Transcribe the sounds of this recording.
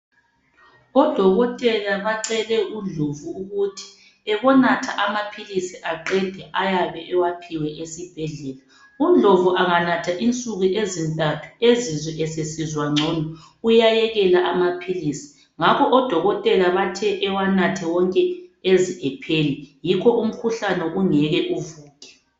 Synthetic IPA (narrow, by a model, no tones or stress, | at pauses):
ɔd̥ʱɔɣɔtʼɛlaβaǀɛlɛʔund͡ɮʱovuːɣutʰi̥ | ɛβɔnatʰaʔamapʰilisiʔaǃɛd̥ʱɛʔajaβɛʔɛwapʰiwɛʔesib̥ʱɛɮɛla | und͡ɮʱovuʔaŋanatʰaʔint͡sʼuɣuʔezim̩tʼatʰu̥ezizwɛʔɛsesizwaŋ͡ǀʱɔnɔ | ujajɛɣɛlaʔamapʰilisi̥ | ŋakʰɔʔɔd̥ʱɔɣɔtʼɛlaβatʰɛʔɛwanatʰɛwɔŋkʼɛeziʔɛpʰelijikʰɔʔum̩kʰuɬanɛʔuŋɛɣɛʔuvuːkʼɛ̥